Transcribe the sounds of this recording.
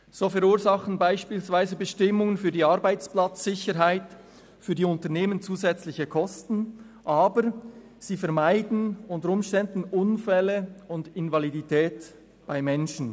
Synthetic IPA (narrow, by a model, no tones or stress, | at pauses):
z̥oːfɛɾuːɐzɑχn̩baɪʃpiːlsvaɪzəbəʃtɪmʊŋənfyːdiːaɾbaɪt͡splat͡ssɪçəɾɦaɪt | fyːɐdiːʊntəʁneːmənt͡suːzɛt͡slɪçəkʰɔstn̩ | ʔaːbə | z̥iːfɛɐmaɪdn̩ʊntəɾʊmʃtɛndn̩ʊnfɛləʊndɪnvaliditʰɛːt | b̥aɪmɛnʃn̩